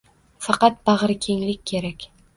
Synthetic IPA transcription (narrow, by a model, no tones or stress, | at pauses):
fɑqɑt̪̚bɑʁɾɪkʲʰe̞ŋlɪkʲːʰe̞ɾakʲ